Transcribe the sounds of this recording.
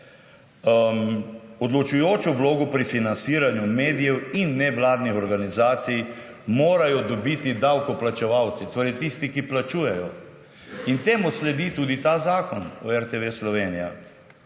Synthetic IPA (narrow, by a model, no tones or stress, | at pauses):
ɔd̪lɔt͡ʃujoːt͡ʃɔʋloːɡɔpɾifinansiːɾanjumeːd̪ijɛwinːɛʋlaːd̪nixɔɾɡanizaːt̪sij | moːɾajɔd̪ɔbit̪id̪awkɔplat͡ʃɛʋawt̪sit̪oːɾɛjt̪ist̪ikiplat͡ʃuːjɛjɔ | int̪eːmuslɛd̪it̪uːd̪it̪azaːkɔnɔɛɾt̪eʋeslɔʋeːnija